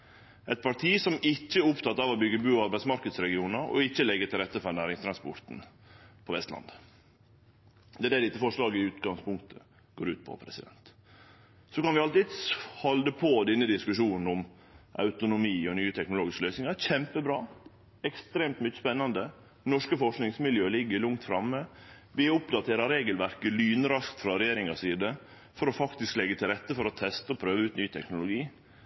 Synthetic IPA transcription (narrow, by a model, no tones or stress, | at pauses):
ʔɛt̪̚pʰɑɾʈ̪ʰiːsɔmɪçːəʊpt̪ʰɑt̪ːɑʋɔbʏɡːəbʉːɑɾbæɪtsmɑɾkəd̪sɾɛɡɪuːnəɾɔ̰ɪçːəlɛɡːət̪ʰɪlɾɛt̪ːəfɔnæːɾɪŋst̪ʰɾɑnspɔɾt̪n̩ | pʰɔʋɛst̪lɑ̰nd̪ | d̪ɛæɖɛːd̪ɪt̪ːəfɔʂɭɑːɡəɪʉːt̪ɡɑŋspʰʊŋkt̪ʰə | ɡ̥oːɾʉ̰ːt̪̚pʰɔ̰pʰɾɛsɪd̪ɛ̰nt̪ | sɔkɑnʋɪɑlt̪ɪːd̪hɔld̪əpʰoːd̪ɛnːəd̪ɪskʉʂuːnn̩ʊm | ʔɑ̰ʉt̪ʊnʊmiːɔnyːət̪ʰɛknʊloːɡɪskəlœʏsnɪŋɑçɛmpəbɾɑː | ɛkst̪ɾeːmt̪mʏçəspɛnːɑnd̪ə | nɔʂkəfɔʂknɪŋsmɪljøːlɪɡːəɭʊŋt̪fɾɑmːə | ʋɪʊpd̪ɑt̪ʰeːɾɑɾeːɡəlʋæɾkəlyːnəɾɑskt̪fɾɑɾɛjeːɾɪŋɑsiːd̪ə | fɔɾɔfɑkt̪ɪsklɛɡːət̪ʰɪlɾɛt̪ːəfɔɾɔt̪ʰɛst̪əɔpʰɾøːʋəʉːt̪nyːt̪ʰɛknʊlʊɡiː